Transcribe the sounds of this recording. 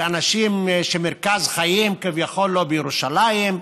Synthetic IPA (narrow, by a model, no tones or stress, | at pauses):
anaʃimʃemeʁkazχajimkivjaχo̞lːobejeʁuʃalajim